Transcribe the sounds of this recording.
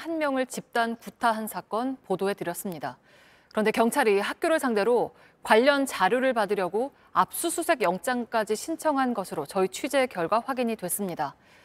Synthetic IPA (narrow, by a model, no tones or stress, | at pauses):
hanmjʌŋɯɭt͡ɕip̚t͈ankutʰaɦansʰak͈ʌnpodoe̞tɯɾjʌs͈ɯmɲida | kɯɾʌnde̞kjʌŋt͡ɕʰaɾihak̚k͈joɾɯɭsʰaŋde̞ɾo | kwaʎːʌnt͡ɕaɾjoɾɯɭpadɯɾjʌɡo | ap̚s͈usʰusʰe̞ɡjʌŋt͡ɕ͈aŋk͈ad͡ʑiɕʰint͡ɕʰʌŋɦanɡʌsʰɯɾot͡ɕʌit͡ɕʰɥid͡ʑe̞kjʌɭɡwaɸwaɡiɲidwes͈ɯmɲida